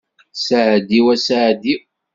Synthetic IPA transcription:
saʕd̪iwæsaʕd̪i

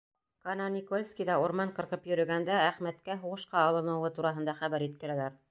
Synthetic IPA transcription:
kɑnɑnʲikolʲskʲijðɑuɾmɑɴqɤ̆ɾqɤpjɵ̆ɾɵ̆ɡænd̪ææχmæt̪kæɦuʁɤ̆ʃqɑːlˠɤ̆nɤ̆wɤt̪uɾɑɦɤ̆nd̪ɑχæβæɾjit̪̚kɘ̆ɾælæɾ

